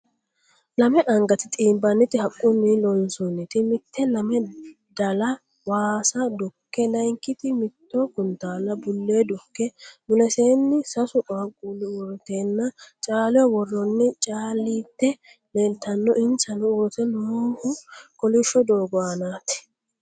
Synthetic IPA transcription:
lɐmɛʔɐŋɡɐt̪ɪt̪ʼiːbɐnːɪt̪ɪhɐkʼːʊnɪlɔnsʊnɪt̪ɪmɪt̪ʰːɛlɐmɛ | d̪ɐlɐ | waːsɐd̪ʊkːɛlɐjŋkːɪt̪ɪmɪt̪ːokʊnt̪aːlːɐbʊlːeːd̪ʊkːɛmʊlɛseːnːɪsɐsʊʔʼaːkʼuːlːɪwɔɾt̪eːnːɐt͡ʃʼaːlɪjɔwɔrːɔnːɪt͡ʃʼaːlːiːt̪ːɛ | melt̪ːɐnːɔʔɪnsɐnʊʊɾt̪ɛnoːhʊkɔlɪʃːɔd̪o̞ːɡɔanaːt̪ɪ̥

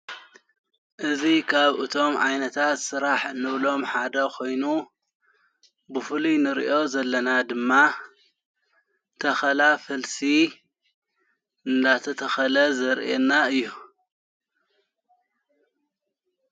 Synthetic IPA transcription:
ʔɨzikʰaβʔɨt̪ʰo̞mʕa̰jnɐt̪ʰat̪sɨɾaħɨnːɨβlo̞mħad̪ɐkʰo̞jnu | bɨfɨlunɨɾḭʔo̞zɐlːɐnad̪ɨmːa | t̪ʰɐxɐlafɐlsi | ɨnd̪at̪ʰɐt̪ʰɐxɐlɐzɐɾʔenːaɨjːu

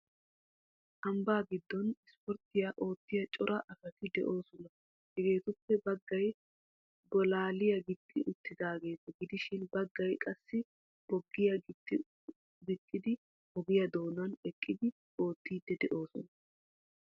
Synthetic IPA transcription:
ʔɐmbaːɡɪd̪ːɔnɪspɔɾt̪ɪjaʔo̞ːt̪ːɪjɐt͡ʃʼɔɾɐʔɐfɐt̪ɪd̪ɛ̰ʔo̞ːsɔnɐ | hɛɡe̞ːt̪ʊpːɛbɐɡːɐj | bɔlaːlɪjɐɡɪt̪ːɪʔʊt̪ːɪd̪aːɡe̞ːt̪ɐɡɪd̪ɪʃɪnbɐɡːɐjkʼɐsːɪ | b̥ɔɡːɪjɐɡɪt̪ːɪ | bɪkʼːɪd̪ɪ | hɔɡɪjɐd̪o̞ːnɐnɛkʼːɪd̪ɪ | o̞ːt̪ːiːd̪ːɛd̪ɛʔo̞ːsɔnɐ

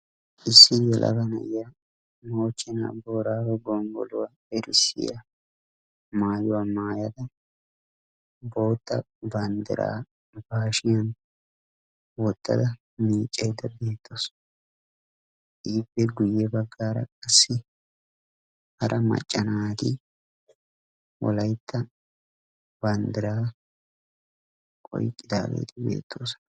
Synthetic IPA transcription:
ɪsːɪjɛlʔɐ̰bɐnɐ̰jja | mo̞ːt͡ʃːɪna̰ːbo̞ːɾaːwɛɡɔŋɡɔ̰lʊwa | ɛɾɪsːɪ̰jɐ̰ | maːjʊwamaːjɐd̪ɐ | bo̞ːt̪ːɐ | bɐnd̪ɪ̰ɾa̰ː | baːʃɪjɐn | wɔt̪ːɐ̰d̪ɐ | miːt͡ʃʼːɐjd̪ɐbe̞ːt̪ʰːo̞ːs | ʔiːpːɛɡʊjːɛbɐɡːaːɾɐ̰kʼɐsːɪ | hɐɾʔɐmɐ̰t͡ʃʼːɐnaːd̪ɪ | wɔ̰lɐjt̪ʰːɐ | bɐnd̪ɪɾaː | kʼɔ̰jkʼːɪd̪a̰ːɡḛːt̪ʰɪbe̞̰ːt̪ʰːo̞ːsɔ̥

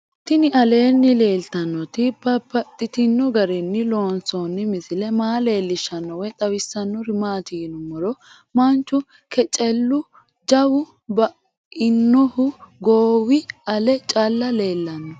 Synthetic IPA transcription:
t̪ɪnɪɐle̞ːnːɪle̞ːlt̪ɐnːɔt̪ɪbɐpːɐt̪ʼːɪt̪ɪnːɔɡɐɾɛnːɪlo̞ːnsonːɪmɪsɪlɛmaːle̞ːlːɪʃɐnːɔwɛt̪ʼɐwɪsːɐnːɔɾɪmaːt̪ɪjɪnʊmɔɾɔ | mɐnt͡ʃːʊ | kɛt͡ʃʼɛlːʊ | d͡ʒɐwʊ | bɐ | ɪnːɔhʊɡoːwɪɐlɛt͡ʃʼɐlːɐleːlːɐnːɔ

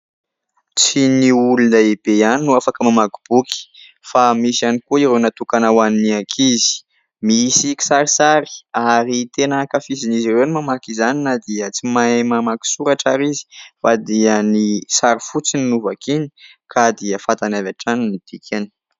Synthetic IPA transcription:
t͡siniulunaebeaninuafakəmamaɡub̥uki̥ | famisianikuiɾewnat̪ukanawaniniakʰizi̥ | misiki̥saɾisaɾi̥aɾit̪enakafizinizirewnimamakizaninəd̪iət͡simamamaki̥suɾaʈ͡ʂaɾizi̥fad̪iənisaɾifut͡sininuvakini̥ | kʰad̪iəfat̪anavaʈ͡ʂaninit̪ikʰani̥

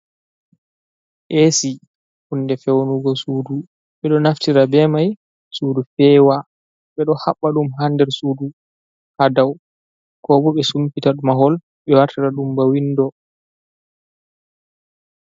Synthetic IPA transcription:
ʔesi | hunːdɛfɛwonuɡɔsuːdu | ɓɛɗɔnaftiɾabɛmaj | suːdufɛwa | ɓɛɗɔhaɓːaɗumɦandɛɾsuːdu | hadaw | kɔbɔɓɛsumpitaɗumaɦɔl | ɓɛwaɾtiɾaɗumbawindɔ

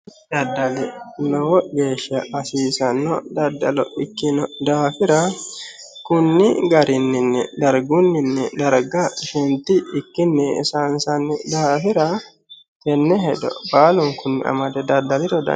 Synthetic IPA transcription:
d̪ɐd̪ːɐlɪnɔwɔɡe̞ːʃɐʔɐsiːsɐnːɔd̪ɐd̪ːɐlɔ̰ʔɪkːɪnɔd̪aːfɪɾɐ | kʊnːɪɡɐɾɪnːɪnːɪ̰d̪ɐɾɡunːɪnːɪd̪ɐɾɡɐʃɛnt̪ɪɪkːɪnːɪsansɐnːɪd̪aːfɪɾɐ | kɛnːɛɦɛd̪ɔ̰baːlʊŋkʊnːɪ̰ɐ̰mɐd̪ɛd̪ɐd̪ːɐlɪɾɔd̪ɐ̰

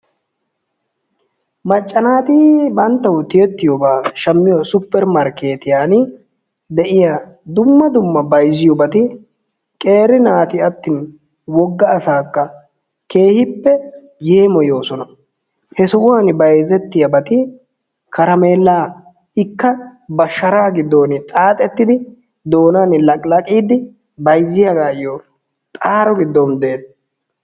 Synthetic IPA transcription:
mɐt͡ʃʼːɐnaːt̪ɪbɐnt̪ːɐwʊt̪ɪjɛt̪ːɪjɔbaːʃɐmːɪjɔsʊpːɛɾmɐɾkeːt̪ɪjaːn | d̪ɛʔɪjad̪ʊmːɐd̪ʊmːɐbɐjzɪjɔbɐt̪ɪ | kʼe̞ːɾɪnaːt̪ɪɐt̪ːɪn | wɔɡːɐːsaːkːɐ | ke̞ːhɪpːɛ | je̞ːmɔjo̞ːsɔnɐ | hɛsɔʔʊanbɐjzɛt̪ːɪjɐbɐt̪ɪ | kɐɾɐme̞ːlːaː | ɪkːɐbɐʃːɐɾaːɡɪd̪ːoːnɪt̪ʼaːt̪ʼɛt̪ːɪd̪ɪ | d̪o̞ːnanɪlɐkʼlɐkʼiːd̪ɪ | bɐjzːɪjɐɡaːɪjɔ | t̪ʼaːɾɔɡɪd̪ːɔmd̪eːt̪

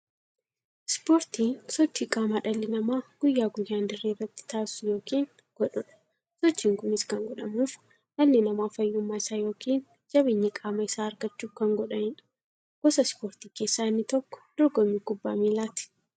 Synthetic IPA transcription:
spoːɾt̪iːsɔt͡ʃːiːkʼaːmaːᶑɐlːɪnɐmaːɡ̥ʊjːaːɡʊjːaːnd̪ɪrːeːrːɐt̪ːɪ̥t̪aːsʊjo̞ːkiːn | ɡ̥ɔᶑʊᶑɐ̥ | sɔt͡ʃːiːŋkʊnɪskɐŋɡɔᶑɐmuːf | ᶑɐlːɪnɐmaːfɐjːʊmːaːɪsaːjo̞ːkʰiːn | d͡ʒɐbeːɲːɐkʼaːmɐɪsaːɾɡɐt͡ʃːuːfkɐŋɡɔᶑɐnɪnɐ̥ | ɡ̥ɔsɐspo̞ːɾt̪iːkeːsːanːɪt̪ɔkːɔ̥d̪̥ɔɾɡɔmːikʊbːa̰ːmiːlaːt̪ɪ̥

